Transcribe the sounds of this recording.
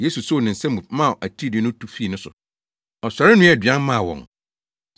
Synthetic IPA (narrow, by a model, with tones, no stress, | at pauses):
je˦su˨so˦˨nɪ̃˨n̩˨sɛ̃˦mũ˨mã˦˨ʔæ˨tʰi˦dɪ˨˦nʊ̃˦tʰu˦fiː˦˨nʊ̃˦sʊ̰˨ | ɔ˨sa˨ɾɪ˦nʊ̃˦ɛ˨dɥã˦mã˦˨wɔ̰̃˨ŋ